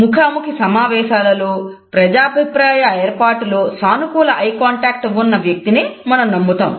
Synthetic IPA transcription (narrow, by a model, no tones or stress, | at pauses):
mukʰaːmukisɐmaːʋɛːʃaːlɐloː | pɾɐd͡ʒaːɐbʱipɾaːjɐeːɾpaːʈuloːsaːnukuːlɐʔɐjkaːɳʈaːk̚ʈʋunːɐʋjɐk̚t̪ineːmɐnɐmnɐmːut̪a̰ːm